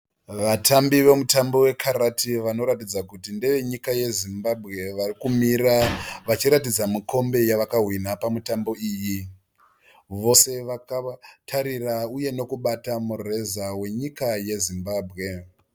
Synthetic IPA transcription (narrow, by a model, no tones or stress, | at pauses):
ʋatambiʋe̞mutambowe̞kʰaratiʋano̞ɾatid͡zakutindeʋe̞ɲikaje̞zimbabʱɣe̞ʋarikumiraʋat͡ʃiɾatid͡zamikʰo̞mbe̞jaʋakaɦwinapamutambo̞iːji | ʋo̞se̞ʋakatʰaɾirauje̞no̞kuɓatamure̞zawe̞ɲikaje̞zimbaːbʱɣe̞